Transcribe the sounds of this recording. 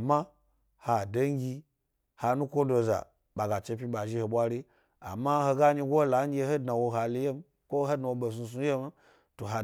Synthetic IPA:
ma˦ | ha˨do˦ŋ˦ɡʲi˧ | ha˨˧nu˦kʷo˦do˧za̰˨ | ɓa˨ɡa˨t͡ʃe˧p̬ʲi˦ɓa˨ʒi˦ho˨ɓʷa˦ɾi˦ | a̰˨ma˦ho˧ɡa˦ɲi˧ɡʷo˦la˨˦ŋ˦ɡʲe˧ho˦dna˨wo˧ɦa˨le˨˦je˦m | kʷo˦ɦo˦dna˨˧wo˧ɓo˨su˧s̬u˧˦je˦m˦ | to˨ɦa˧

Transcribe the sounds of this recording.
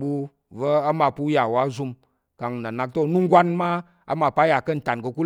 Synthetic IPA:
ɓu˧ | və˦a˦ma˨˧pu˦ja˨wa˦zu˧m | ka˨ŋ˨na˨na˨k̚to˦˨nu˦ŋ˦ɡʷa˦nma˦ | a̰˦ma˧pa˦ja˨kə˦˨n̩˨ta˨nɡə˧ku˦

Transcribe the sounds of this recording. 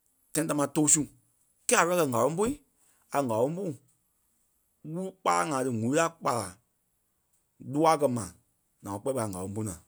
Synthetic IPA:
tã˦ĩ˦ta˧mãː˧˦toː˧˦su˦˨ | kɛ˦a˨fɛ˧a˦kɜ˧˨ŋa˨lɔ̃˦bo˦i˦ | a˨ŋa˨lõ˧˦bu˦ | wu˦k͡pa˧la˦ŋãː˨˦tɨ˧ŋũ˨i˦la˦k͡pa˧la̰˨ | lu˦a˦kɜ˧mã˨ | nã˨ɔ̃˨˧k͡pɛ˧˦ɓa˧˨a˨ŋɡa˨lɔ̃˨˦bu˦nãː˨

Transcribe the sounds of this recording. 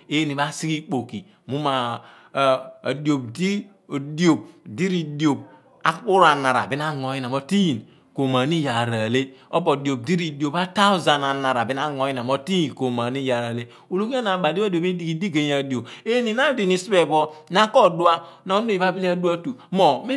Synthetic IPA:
e˦ni˨βa˦si˦ki˦k͡po˨ki˨ | mu˦ma˨ | djo˨b̚di˦˨ | di˦o˨b̚di˦ɾi˨do˨b̚ | a˦k͡pu˦ɾa˨na˨ɾa̰˨bi˦n˦a˦ŋo˨˦ji˦n˨a˨mo˨ti˦i˨n | ko˨ma˨ni˦ja˨ɾa˨le˦o˦bo˨do˨b̚di˦ɾi˨di˨˦o˨pa˦ta˦u˦za˨na˨na˨ɾa˨bi˦na˦ŋo˨˦ji˦n˨a˨mo˨˦ti˦˨n˨ko˨ma˨ni˦ja˨ɾa˨le˦ | o˨lo˦ka˦na˨ba˨di˦di˨o˨be˦di˨ki˨di˦ɡe˨ɲ˦a˨di˨o˨be˦ni˨na˦di˨ni˨si˦be˦˨bɔ˦na˦kɔ˦˨du˦a˦na˨o˦n˦e˦˨i˨ba˦bi˦n˦a˦du˦a˦tu˨mo˨me˦

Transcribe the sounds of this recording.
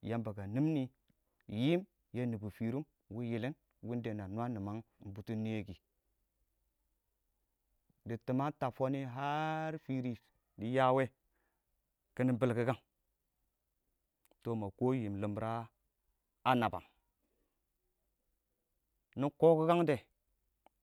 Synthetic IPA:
ja˦mba˨ɡa˨ni˦mni˦ | ji˦m | je˦ni˨bu˨fi˨ɾu˦m | wu˦ji˨li˦n | wi˦nde˨na˨nu˦a˦ni˨ma˦ŋm˦bu˦tu˦n˦e˦ɡi˨ | di˨ti˨ma˦ta˨fo˦ni˦ɦa˦ɾfi˨ɾi˨ | di˦ja˦we˦ | kə˦ni˦bi˨lki˦ɡa˦ŋ | to˨ma˨ko˦ji˨mlə˨mbɾa˦ | a˦na˨ba̰˨ŋ | ni˦ko˦ku˦ka˦ŋde˨

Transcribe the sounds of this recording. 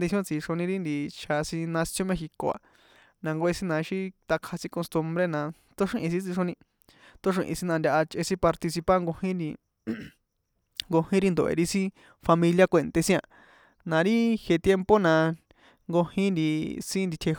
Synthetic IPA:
d̪i˧jõ˦t͡si˧ʂo˧nĩ˧ɾi˦nd̪i˧˨t͡ʃʰa˧sĩ˧nã˧sjõ˧mẽ˧xi˧ko̰˨a̰˨ | nã˧ŋɡo˧e˧sĩ˦nã˧ʃi˦t̪a˧kʰa˧sĩ˦ko˧st̪u˧mbɾe˦nã˧ | t̪o˦ʂĩ˧ʔĩ˧˨sĩ˦t͡si˧ʂo˧nĩ˧ | t̪o˦ʂ̬ĩ˧ʔḭ̃˧si˧nã˧nd̪ʲa˧ʔa˧t͡ʃʔe˧sĩ˦pa˧ɾt̪i˧s̬i˧pa˦ŋɡo˧hĩ˦ni˧ | ŋɡo˧hĩ˦ɾi˦nd̪o˨ʔḛ˨ɾi˦sĩ˦ | fa˧mĩ˧lja˦kʷe˧nt̪e˧sĩ˦ã˧˨ | nã˧ɾi˦he˧t̪je˧mpo˦nã˧ | ŋɡo˧hĩ˦nd̪i˧sĩ˦nd̪i˧t̪ʰe˧

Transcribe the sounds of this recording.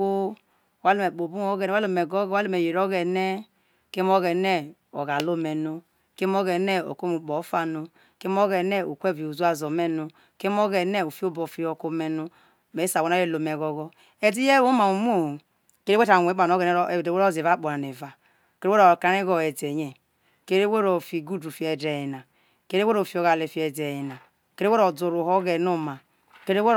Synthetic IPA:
o˦˨ | wa˦lo˦me˨k͡po˨bu˦o˦ɡe˦n˨˦a˦o˨me˨ɡo˦ɡa˦lo˦me˨je˨ɾo˦ɣe˨ne˦ | ke˦m˦o˦ɣe˨ne˦ | o̰˨ɣa˨lo˦me˨no˦ | ke˦mo˦ɣe˨ne˦o̰˨ko˦mu˨bo˨˦fa˨no˨ | ke˦m˦o˦ɣe˨ne˦o˨kʷe˦˨vi˨u˨zu˦a˦˨zo˨me˦nu˨ | ke˦m˦o˦ɣe˨ne˦˨o˨fi˦o˦bo˨fi˦o˨ko˦me˨nu˦ | me˨˦sa˨o˦na˦e˦˨lo˨me˨ɡo˨ɡɔ˦ | e˦di˦je˦o˦ma˨u˨m˦o˦˨hu˨ | ke˦ɾe˦e˦ta˨wʷe˨˦k͡pa˨no˦ɣe˨n˦˨de˨we˦ɾo˦˨zi˨va˦k͡po˨ɾa˨ne˨va˨ | ke˦e˦e˦o˨ka˨ne˦ɣo˨e˨de˨ɲe˨ | ke˦ɾe˦we˦ɾo˨fi˨ɡu˦du˨fi˨˦e˨de˨ji˨na˨ | ke˦ɾe˦we˦ɾo˨fi˨˦o˨ɣa˨le˨fi˨e˨de˨ji˨na˨ | ke˦ɾe˦we˦ɾo˨du˨ɾu˨ɦo˦ɣe˨no˦ma˨ | ke˦ɾe˦we˦

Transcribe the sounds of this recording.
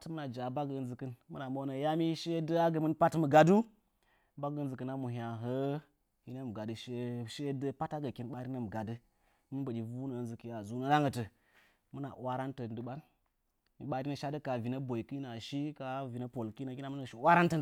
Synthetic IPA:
tmɨ˦na˨d͡ʒa˨ba˦ɡə˨ɨ˨nzɨ˨kɨ˦nmɨ˦na˨mo˦wnə˨ja˦mi˦ʃe˦də˦a˦ɡə˨mɨ˦npa˦tmə˨ɡa˨du˦ | ba˦ɡə˨ɨ˦nzɨ˨kɨ˨na˦mu˨ɦʲa˨ɦə˦ | hi˦nə˦m˨ɡa˨dɨ˨ʃe˦ʃe˦də˦pa˦ta˦ɡə˨ki˨nɓa˦ɾi˦nə˨m˨ɡa˨dɨ˦ | mɨ˦bə˨ɗi˨vu˦nə˨nzɨ˨ki˨˦ja˨zu˦nə˦la˦ŋə˨tə˨ | mɨ˦na̰˨wa˦ɾa˦ntə˨ndɨ˨ɓa˦n | mi˨ɓa˨ɾi˦nə˨ʃa˦də˦ka˨vi˨nə˦bo˨i˨ki˦na˨ʃi˦ka˨vi˨nə˦po˨lki˦nə˨kʲi˦na˦m˦n˨ʃi˨wa˦ɾa˦ntə˨n˨

